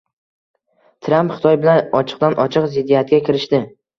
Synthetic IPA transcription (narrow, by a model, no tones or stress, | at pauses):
t̪ʰɾampχɪ̥t̪ʰɒjbɪlanɒt͡ʃʰɨ̥q̚d̪anʔɒt͡ʃʰɨqzɪd̪ːijat̪̚ɡʲakʲʰɪɾɪʃt̪ɪ